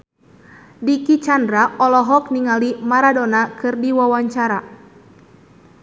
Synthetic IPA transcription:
dikit͡ʃandɾaɔlɔɦɔk̚niŋalimaɾadɔnakɨrdiwawaɲt͡ʃaɾa

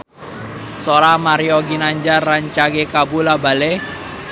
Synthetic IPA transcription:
soɾamaɾiɔɡinaɲd͡ʒaraɲt͡ʃaɡekabulabale

